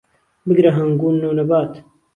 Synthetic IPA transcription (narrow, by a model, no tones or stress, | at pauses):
bɪɡɾɐɦɐŋɡuːnːoːnɐbaːt̪